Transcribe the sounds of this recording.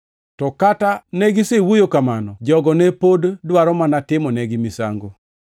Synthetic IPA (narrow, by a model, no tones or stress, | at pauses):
tɔkatanɛɡisewojokamanɔd͡ʒɔɡɔnɛpoddwaɾɔmanatɪmɔnɛɡɪmisa̰ŋɡo